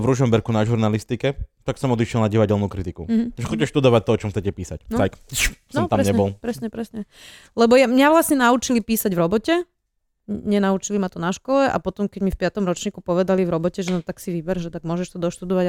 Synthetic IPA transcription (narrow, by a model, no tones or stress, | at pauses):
ʋɾuʒɔmbɛɾkunaʒuɾnalist̪ikɛt̪aksɔmɔd̪iʃjɛlnaɟiʋaɟɛlnuːkɾit̪ikuɦ̩ʒɛxɔcːɛʃt̪ud̪ɔʋat̪ɔɔt͡ʃɔmxtt͡sɛcɛpiːsa̰cnajksnɔmamɾɛɲɛbɔlˠpɾɛsɲɛpɾɛsɲɛ | lɛbɔjamɲaʋlasɲɛnaut͡ʃilipiːsaɟvʋɾɔbɔcɛ | ɲɛnaut͡ʃilimat̪ɔnaʃkɔlɛʔa̰pɔt̪ɔmkɛɟmifpɪat̪ɔmɾɔt͡ʃɲiːkupɔʋɛd̪alivɾɔbɔcɛʒɛnɔt̪aksiʋibɛɾʒɛt̪aɡ̚mʊɔʒɛʃt̪ɔd̪ɔʃt̪ud̪ɔʋaɟ